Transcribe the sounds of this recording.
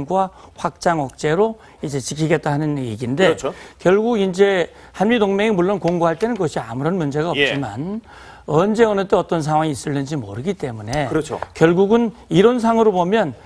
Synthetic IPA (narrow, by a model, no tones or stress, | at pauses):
ŋɡwaɸwak̚t͡ɕ͈aŋʌk̚t͡ɕ͈e̞ɾo | id͡ʑe̞t͡ɕikʰiɡe̞t̚t͈aɦanɯniɡinde̞t͡ɕʰkjʌɭɡuɡind͡ʑe̞ | hanmidoŋme̞ŋimuɭːonkoŋɡoɦaɭt͈e̞nɯnkʌɕʰia̰muɾʌnmund͡ʑe̞ɡaʌp̚t͡ɕ͈ima̰n | ʌnd͡ʑe̞ʌnɯt͈eʌt͈ʌns̬ʰaŋɦwaŋiːs͈ɯɭːɯnd͡ʑimo̰ɾɯɡit͈e̞mune̞kɯɾʌt͡ɕʰo̰kjʌɭɡuɡɯniɾʌnsʰaŋɯɾobomjʌn